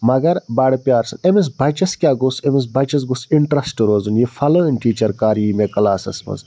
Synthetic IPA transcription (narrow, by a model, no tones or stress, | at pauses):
mɐɡɐɾbaːɽpʲaːɾsɐnemis̬bʱɐt͡ʃɐskʲaːɡosemis̬bʱɐt͡ʃɐs̬ɡusiɳʈɾɐsʈɨɾoːzunjifʰɐləːnʲʈiːt͡ʃɐɾkaːɾiːmekɐlaːsɐ̰smɐ̰z